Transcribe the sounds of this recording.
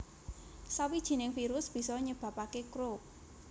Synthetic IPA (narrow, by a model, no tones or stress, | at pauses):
sawid̥ʒ̥i̤nɪŋfiɾʊsb̥i̤sɔɲəb̥ä̤pakekɾop̚